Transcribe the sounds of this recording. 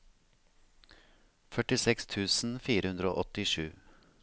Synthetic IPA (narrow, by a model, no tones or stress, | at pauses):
fœʈɪsɛkst̪ʰʉːsn̩fiːɾəhʉnd̪ɾəo̰ːʔɔt̪ɪʂʉː